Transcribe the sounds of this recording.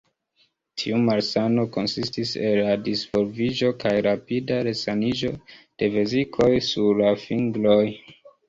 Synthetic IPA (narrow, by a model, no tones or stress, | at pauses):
tʰiumalsano̞ko̞nsistiselːadisv̥o̞lvid͡ʒo̞kajɾapidaɾe̞sanid͡ʒo̞d̥e̞vezikʰo̞jsuɾlafiŋɡlo̞j